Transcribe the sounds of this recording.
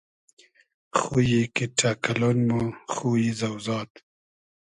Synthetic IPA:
xujikiʈʰakalonmoχujizawzɑːt̪

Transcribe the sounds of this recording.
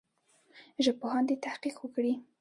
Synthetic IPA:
ʒapohɑnd̪et̪ahqiqwəkɽi

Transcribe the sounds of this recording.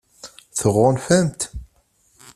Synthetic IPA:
θəʁʊnfæmt̪

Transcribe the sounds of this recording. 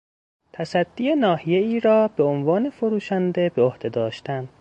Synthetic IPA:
t̪ʰæsæd̪̥ːiːenɒːhije̞iːɾɒːbe̞onvɒːne̞fo̞ɾuːʃænd̪e̞beohd̪e̞d̪ɒːʃt̪æn

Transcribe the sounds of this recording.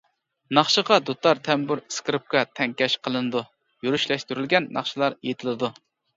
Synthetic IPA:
nɑχʃəʁɑd̪ut̪ʰɑɾt̪ʰɛmbyɾskɾɨp̚kɑt̪ʰɛŋkʲɛʃqʰəlˠɨnɨd̪u | juɾyʃlɛʃt̪yɾylɡʲɛnːɑ̰χʃɨlˠɑɾjet̪ʰɪlˠɨd̪u

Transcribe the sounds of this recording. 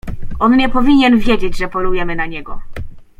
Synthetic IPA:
ɔnɲɛpɔvʲiɲɛnvʲjed͡ʑed͡ʑʐɛpɔlujɛmɘnaɲɛɡɔ

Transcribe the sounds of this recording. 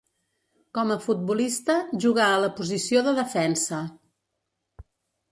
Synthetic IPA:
kɔməfut̪̚bulist̪əʒuɣ̞aələpuzisioðəðəfɛnsə

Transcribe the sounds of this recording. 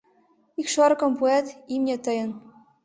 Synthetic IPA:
ikʃoɾkɤ̆mpuet̪imnʲet̪ɤ̆jɤ̆n

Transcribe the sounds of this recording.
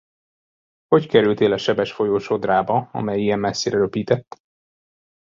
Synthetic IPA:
ho̞ckɛɾylt̪eːlɒʃɛbɛʃfo̞joːʃo̞d̪raːbɒɒ̰mɛjijɛmmɛsːeːɾɛɾøpiːt̪ɛt̪ː

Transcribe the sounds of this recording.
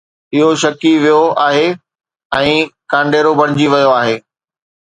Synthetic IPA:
ɪɦoʃɐkiʋijoaːɦe | ɛ̃ːkãːɳɖeːɾobʱɐɽ̃ɪd͡ʑiʋɐjoaːɦeː

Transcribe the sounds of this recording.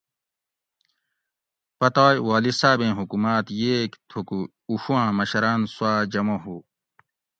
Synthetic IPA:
pɐt̪aːjwaːlisaːbẽːɦukumaːt̪jeːkt̪ʰuku | uɕuãːmɐɕɐɾaːnswaːd͡ʑɐmoɦuː

